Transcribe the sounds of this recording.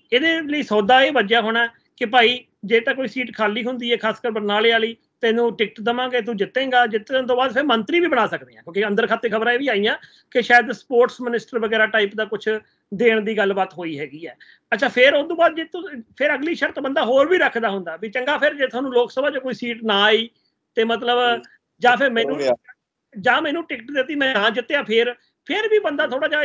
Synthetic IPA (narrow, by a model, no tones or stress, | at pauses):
ed̪eːləiːsɔːd̪aːeːʋəd͡ʒjaːɦoːɽaːɛ | kɪpaːiː | d͡ʒeːt̪ãːk̬oːiːsiːʈkʰaːliːɦʊnd̪iːɛːkʰaːskəɾbəɾnaːleːaːliː | t̪enũːʈɪk̚ʈd̪əmãːɡeːt̪̬ud͡ʒɪt̪ːẽːɡaːd͡ʒɪt̪ːnt̪õːbaːd̪pʰɪɾmənt̪ɾiːʋiːbəɽ̃aːsəkd̪eːãːkjõːkeə̃nd̪əɾkʰaːt̪ːeːkʰəbɾãːeːʋiːaːijãː | kɪʃaːjəd̪spoːɾʈsmɪnɪsʈəɾʋəɡɛːɾaːʈaːiːpd̪aːkʊt͡ʃʰ | d̪eːɳ̃d̪iːɡəlbət̪ɦoːiːɦɛːɡiːɛː | ətːʃʰaːpʰɪɾd̪õːbaːd̪d͡ʒet̪pʰɪɾəɡliːʃəɾt̪bənd̪aːɦoːɾbiːɾəkʰd̪aːɦʊnd̪aːbiːt͡ʃəŋɡaːpʰɪɾd͡ʒeːt̪ʰaːnũːloːksəbaːt͡ʃokoːiːsiːʈnãːiː | t̪eːmət̪̬ləb | d͡ʒãːpʰɪɾmɛ̃ːnũː | d͡ʒãːmɛ̃ːnũːʈɪkʈd̪ɪt̪ːiːmɛ̃ːãːd͡ʒɪt̪ːãːpʰɪɾ | pʰɪɾbiːbənd̪aːt̪ʰoːɽaːd͡ʒaː